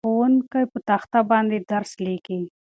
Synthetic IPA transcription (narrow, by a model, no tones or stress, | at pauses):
onkajpət̪axt̪abɑnd̪ed̪aɾsleki